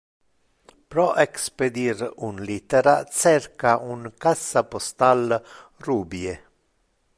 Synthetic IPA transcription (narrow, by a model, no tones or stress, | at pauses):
pɾɔʔeksped̪iɾunlit̪eɾat͡ʃɛrkaʔuŋkasːapost̪alruːbje